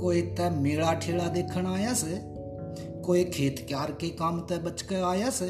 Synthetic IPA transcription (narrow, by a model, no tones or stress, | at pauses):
koːiːt̪ɛmeːɭaːʈʰeːɭaːd̪eːkʰəɳaːjaːseː | koːiːkʰeːt̪kjaːɾkekaːmt̪ɛɓət͡ʃkeaːjaːseː